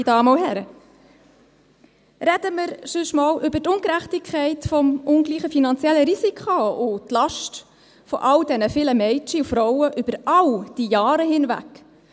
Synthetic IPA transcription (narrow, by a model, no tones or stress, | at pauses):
dɑːməʊhɛɾə | ɾɛd̥əməɾsyʃmɑːlʔʏbətʊnkɾæχtɪkʰχɛɪtfɔmʊnɡliːχəfinɑnt͡sjɛlːəɾisikʰχoʊtlɑʃt | fɔʔɑld̥ɛnəfɪləmɛɪt͡ʃiufɾɔʊəʔʏb̥əɾɑwd̥ijɑːɾəhɪnvæ̰k